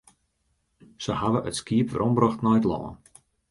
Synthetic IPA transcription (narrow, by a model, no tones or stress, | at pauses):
səhaʋəʔətskiəpʋəɾʔɔmbrɔxtnɔjtlɔ̰ːə̰n